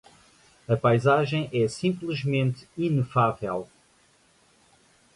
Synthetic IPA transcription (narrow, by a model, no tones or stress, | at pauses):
ɐpajzaʒɐ̃j̃ʔɛsĩmplˠɨʒmẽnt̪inɨfavɛlˠ